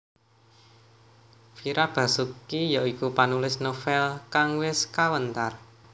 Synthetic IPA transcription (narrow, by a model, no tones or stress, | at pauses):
fiɾab̥a̤sukijaikupanulɪsnofɛlkaŋwɪskawənt̪ar